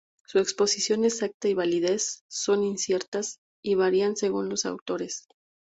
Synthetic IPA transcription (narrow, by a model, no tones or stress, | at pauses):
sue̞kspo̞sisjo̞nesak̚t̪aiβaliðe̞sːo̞ninsje̞ɾt̪as | iβaɾianse̞ɣunlo̞sa̰wt̪o̞ɾe̞s